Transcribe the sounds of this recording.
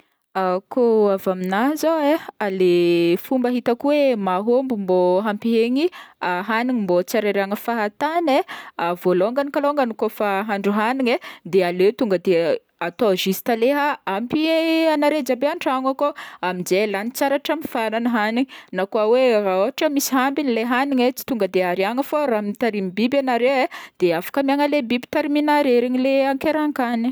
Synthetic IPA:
akoavaminazoealefumbəɦit̪akuwemaɦombumboɦampiɦeɲiaɦaniŋimbot͡saɾeɾaŋəfaɦat̪aneavoloŋɡanikaloŋɡanikofaɦaɳɖ͡ʐuɦaniŋed̪ealet̪uŋɡəd̪e | at̪oʒisi̥t̪aleɦaampianaɾed͡ʒabeaɳʈ͡ʂaŋakoamid͡ʒelanit͡saɾaʈ͡ʂamifananəɦaniŋnakuaweraoaʈ͡ʂəmisi̥ɦambinileɦaniɲet͡si̥t̪uŋɡəd̪eaɾiaŋəfoɾaminit̪aɾimibibanaɾeed̪̥eafḁkəmiaŋəlebibi̥t̪aɾiminaɾeɾeŋileaŋkeɾaŋkani̥

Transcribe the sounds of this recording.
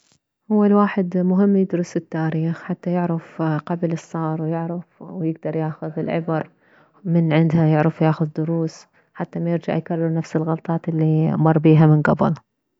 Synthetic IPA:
hʊwːalwaːħɪd̪mʊɦɪmːjɪd̪ɾʊsɪt̪ːaːɾiːxħat̪ːajɪʕɾɪfqablɨsˤːɑːɾˤwjɪʕɾɪfwjɪɡd̪ɑɾˤjaːxʊðɪlʕɪbɑɾˤ | mɪnʕɪnd̪hajɪʕɾɑfwjaːxʊðd̪ʊɾuːs | ħat̪ːamajɪɾd͡ʒa̰ʕjkarˤːɪɾnafsɪlɣɑlt̪ˤɑːt̪ɪlːimɑrˤːbiːɦamɪnɡɑbɪ̰l

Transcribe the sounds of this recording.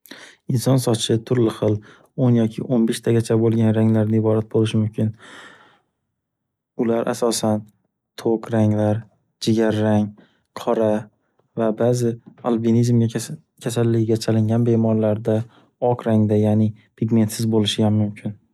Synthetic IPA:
ɪnsɒnsɒt͡ʃʰɪt̪ʰʊɾlɪχɨlˠ | onjɒkʲʰɪʔonbeʃt̪ʰaɡʲat͡ʃʰabolˠɡʲanɾaŋlaɾnɪɪbɒɾat̪̚bolɪʃɪmʊmkʲʰɪn | ʊlaɾʔa̰sɒsan | t̪ʰokʰɾaŋlaɾ | d͡ʒɪɡʲaɾːaŋ | qʰɒɾa | vabazɪalˠbinizmɡʲa | kʲʰasalːɪɡɡʲat͡ʃʰalɪŋɡʲanbe̞mɒɾlaɾd̪a | ɒqɾaŋd̪ajaːnɪpʰɪɡʲme̞nt̪sɪzbolɪʃɪɡamːʊmkʲʰɪn

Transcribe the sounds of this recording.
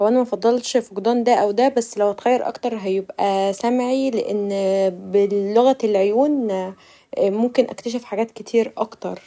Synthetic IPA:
æwʔænæmæfɑd̪ˤːɑlt̪ʃfoɡd̪ˤɑːnd̪æʔæwd̪æbæsːlæwhæt̪ɣæjːɑɾˤʔɑ̰kt̪ɑɾˤɦæjebʔæsæmʕileʔenːbelːoɣæelʕojuːn | momkenʔæ̰kt̪æʃ̬efħaɡæːt̪ket̪ʰiːɾʔɑkt̪ɑɾˤ

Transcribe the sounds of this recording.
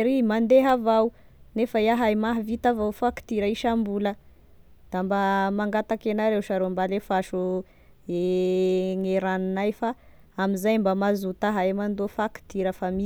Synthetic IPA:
ɾimand̪eɦavaw | nefajaɦajmaɦvit̪avawfaki̥t̪iɾaiʃambulə | d̪̥ambamaŋɡat̪akenaɾewʃaɾombalefaʃu | e | ŋeɾaninajfa | amizajmbamazut̪aɦajmand̪ofaki̥t̪iɾəfami

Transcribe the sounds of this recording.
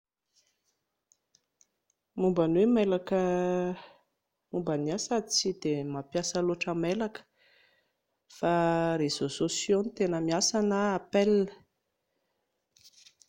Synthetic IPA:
mumbanwemelakə | mumbaniasad̪it͡sid̪emapjasəloʈ͡ʂəmelakə̥ | faɾez̥ososjonit̪enəmiasanəapelə

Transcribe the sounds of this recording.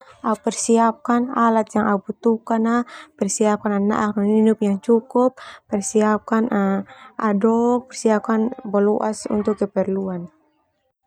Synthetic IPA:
ʔaupɛrsiap̚kanalat̪̚jaŋaubut̪ukanahpɛrsiap̚kanana̰ʔakmaninʊp̚jaŋt͡ʃukʊp̚ːɛrsiap̚kanaʔadɔk̚pɛrsiap̚kanbɔlɔʔasṵnt̪ʊkːɛpɛrluan

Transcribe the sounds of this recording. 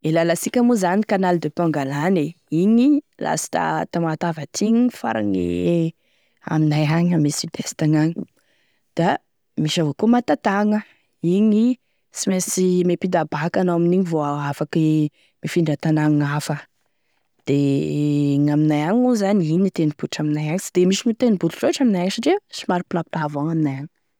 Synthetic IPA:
elalasikʲəmuzanikanalid̪epaŋɡalane | iɲilʔa̰si̥t̪a̰t̪amat̪avat̪ʰiɲifa̰ɾa̰ŋḛ | a̰minajaɲamisid̪est̪aɲaɲi | d̪̥a | miʃavokumat̪at̪aŋə | iɲi | simesimepid̪abakanowaminiɲivoaafaki | mifiɳɖ͡ʐat̪anaŋafə | d̪̥e | ŋaminajaɲuzaniɲit̪enib̥uʈ͡ʂaminajaŋisid̪̥emiʃinit̪enibuluʈ͡ʂoʈ͡ʂaminajaŋsaʈ͡ʂesimaɾipilapilavoŋaminajaŋi

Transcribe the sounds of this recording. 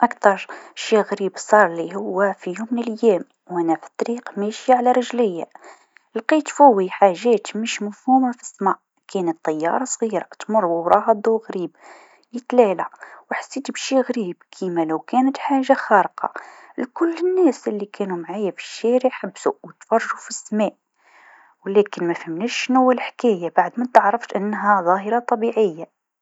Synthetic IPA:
ʔɑkt̪ɑɾˤʃiɣɾibsˤɑɾˤlihʊwːæfijumnəljæm | wʔænæfə̥t̪ˤːɾiqmæʃjaʕlæɾˤəʒləjːa̰ | lqit̪fuwːiħaʒːæt̪məʃməfhumafi̥sːmɑʕ | kʰænət̪ˤːɑjːɑ̰ɾˤɑsˤɣiɾˤɑt̪mʊrˤwəwɾˤɑhɑd̪ˤuɣɾib | jət̪lælawħḁsːit̪bʃiɣɾibkʰimæləwkænət̪ħaʒːaxɑɾqɑ̰lkʊlːənːæsʔəlːikʰænumʕajafi̥ʃːæɾəħabːsuwət̪fɑrˤːʒufisːmæʔ | wlækənmæfhəmnæʃːnuwːəlħkæjabaʕd̪mæt̪əʕɾˤɑft̪ʔənːɦæðˤɑɦəɾˤɑt̪ˤɑbiʕəjːa

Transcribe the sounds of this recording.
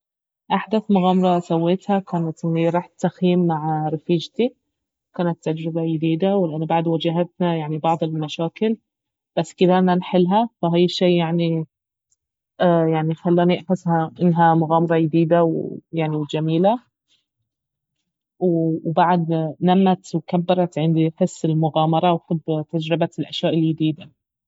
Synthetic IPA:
ʔaħd̪aθmʊɣaːmɑɾˤɑsawːeːt̪hakaːnat̪ʔɪnːiɾˤɑːħaxjiːiːmːaʕɾˤɪfiːd͡ʒt̪i | kaːnat̪ːad͡ʒɾɪbajɪd̪iːd̪awɪlʔanːʊbaʕd̪wad͡ʒaɦat̪̚najaʕnibɑʕd̪ˤɪlmaʃaːkɪl | b̥asːkɪd̪æʔɪnanħɪlɦafaɦaːjʃːiːjaʕni | ʔjaʕnixalːaːniʔaħɪshaʔɪnːɦamʊɣaːmɑɾˤɑjɪd̪iːd̪awjaʕniwd͡ʒamiːla | wwbaʕad̪namːat̪wkabːɑɾˤɑt̪ʕɪnd̪iħɪsːɪlmʊɣaːmɑɾˤɑwħɪbːt̪ad͡ʒɾɪbaɪlʔaʃjaːʔɪljɪd̪iːd̪a

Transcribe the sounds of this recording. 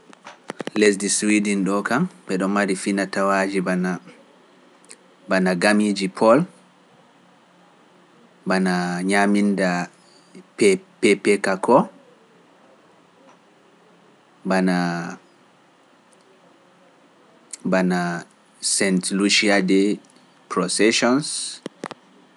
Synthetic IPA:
les̬diswidinɗɔkamɓɛɗɔnːaɾifinatawad͡ʒibana | banaɡamid͡ʒipʰɔl | banaɲaminda | pɛpɛpɛkakʰɔ | bana | bana | sɛntluʃiadɛ | pɾɔsɛʃɔns

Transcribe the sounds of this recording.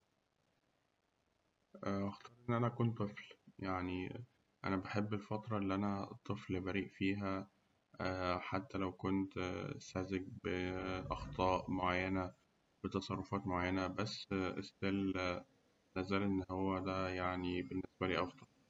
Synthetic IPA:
ʔʔɑxt̪ˤɑːɾˤʔennːʔænækuːnt̪ˤːefljaʕni | ʔæ̰næbæħebːelfɑt̪ɾˤɑʔelːʔænæt̪ˤːɨflbæɾiːʔfiːɦæ | ħat̪ːælæwkont̪sæzek̚beʔɑxt̪ˤɑːʔmoʕajːænæ | bet̪ɑsˤɑrˤːofɑːt̪moʕajːænæbæsːʔesːel | næzælʔenːhowːæd̪æjaʕnibenːesbæliːʔɑfd̪ˤɑl

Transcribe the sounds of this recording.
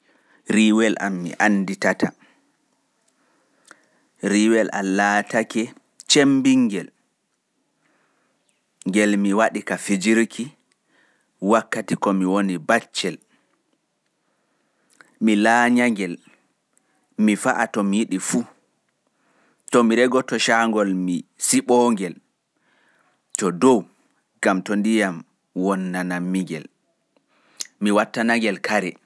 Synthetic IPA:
ɾiwɛla̰mːḭʔanːditata | ɾiwɛlʔa̰latakɛ | t͡ʃembiŋɡɛl | ŋɡɛlmiwaɗikafid͡ʒiɾkʰi | wakːatikɔmiwonibat͡ʃːɛl | milaːɲaŋɡɛl | mifaʔatɔmijiɗifu | tɔmiɾɛɡɔtɔʃaŋɡɔlmisiɓɔŋɡɛl | tɔdɔw | ɡ̥amtɔndijam | wɔnːanamːiŋɡɛ̰l | miwatːanaŋɡɛlkʰaɾɛ

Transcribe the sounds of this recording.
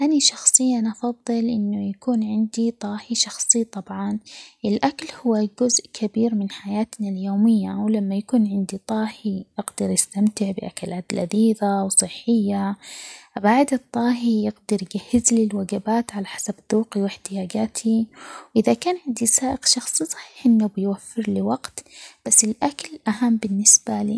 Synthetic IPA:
ʔaniʃɑxsˤɨjːanʔɑfɑðˤːɨlʔɪnːʊjakuːnʕɪnd̪it̪ˤɑːhiʃɑxsˤit̪ˤɑbʕɑnʔɪlʔakalhʊwːaɡʊzʔkʰabiːɾmɪnħajaːt̪naljoːmɪjːawlamːajakuːnʕɪnd̪it̪ˤɑːhijɪɡd̪ɑɾjɪst̪amt̪ɪʕbɪʔa̰kalʔad̪lʔaðiːðawsˤɨħːɪjːa | baʕd̪ɨt̪ˤːɑːɦijɪɡd̪ɑɾjɪɡahːɪzlilwaɡabaːt̪ʕalaħḁsabd̪ˤuːqiwɪħt̪ɪjaːd͡ʒaːt̪ʰiwʔɪðakaːnʕɪnd̪isaːʔɪqʃɑxsˤisˤɑ̥ħi̥ːħʔɪnːubɪjwafːɪɾlɪwaɡt̪b̥asːɪlʔakalʔaɦamːbɪnːɪsb̥alḭ

